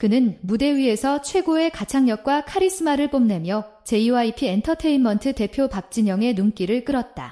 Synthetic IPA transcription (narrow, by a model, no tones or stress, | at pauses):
kɯnɯnmude̞ɥie̞sʰʌt͡ɕʰwe̞ɡoe̞kat͡ɕʰaŋɲʌk̚k͈wakʰaɾis͈ɯmaɾɯɭp͈omne̞mjʌ | t͡ɕe̞iwaipʰientʰʌtʰe̞inmʌntʰɯte̞pʰjopak̚t͡ɕ͈iɲʌŋe̞nuŋk͈iɾɯɭk͈ɯɾʌt̚t͈a̰